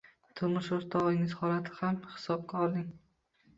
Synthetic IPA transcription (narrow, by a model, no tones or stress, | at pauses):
t̪ʰʊmʊʃʊɾt̪ʰɒʁɪŋɪzhɒlat̪ʰɪ̥hamhɪ̥sɒb̚kʲaɒɾd̪ɪŋ